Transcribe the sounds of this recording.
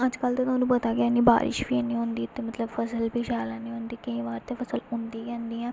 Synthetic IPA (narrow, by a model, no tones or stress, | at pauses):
əd͡ʒkəlt̪oːt̪aːnũːpət̪aːkɪaniːba̰ːɾʔɪ̰ʃbiːnĩːɦõːnd̪iːt̪ːeːmət̪ləbfʰəsəlbiːʃaːlãːnĩːɦõːnd̪iːkəĩːʋaːɾt̪eːpʰəsəlʊ̃nd̪iːkɛ̃ːnd̪iːɛ̃ː